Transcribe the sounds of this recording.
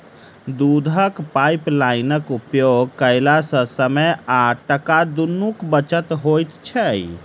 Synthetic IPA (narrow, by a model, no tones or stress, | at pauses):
d̪ud̪ʱəkpajplajnəkupjoɡkəɪlasə̃səməjaʈəkad̪unːukbət͡ʃət̪ɦojt̪t͡ʃʰɛj